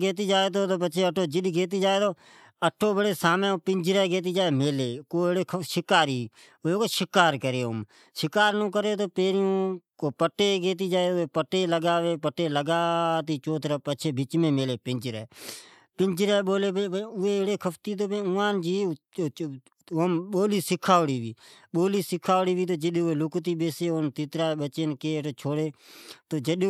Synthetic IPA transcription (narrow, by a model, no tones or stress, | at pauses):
ɡeːt̪̬iːd͡ʒaːeːt̪̬oːt̪oːpəʃʰeːəʈʰːoːd͡ʒɪɗɡeːt̪̬iːd͡ʒaːeːt̪oː | əʈʰːoːbəɽeːsaːmẽːoːpɪnd͡ʒɾɛːɡeːt̪̬iːd͡ʒaːeːmeːleːkoːeɽeːʃɪkaːɾiː | ʊeːkoːʃɪkaːɾkəɾeːʊ̰m | ʃɪkaːɾnõːkəɾeːt̪oːpeːɾiõːkoːpəʈeːɡeːt̪̬iːd͡ʒaːeːʊeːpəʈeːləɡaːʋeːpəʈːeːləɡaːt̪iːt͡ʃoːt̪ɾapət͡ʃʰeːbɪt͡ʃmẽːmeleːpɪnd͡ʒɾɛ̰ː | pɪnd͡ʒɪɾɛːɓoːleːpːpʊeːeɽeːkʰəpʰt̪iːt̪̬oːpːʊ̃ːãːnd͡ʒiː | əmɓoːliːsɪkʰːaːɽiːʋiːɓoːliːsɪkʰːaːɽiːʋiːt̪̬oːd͡ʒɪɗẽːʊeːlʊkt̪iːɓeːseːont̪ɪt̪ɾaːɓət͡ʃeːnkeːʈoːt͡ʃʰoːɽeːt̪oːd͡ʒəɗ